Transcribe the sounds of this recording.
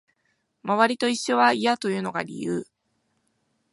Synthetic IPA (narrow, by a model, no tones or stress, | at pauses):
maβaɾʲit̪o̞iɕːo̞βaijat̪o̞jɯ̟ːno̞ɡa̰ɾʲḭjɯː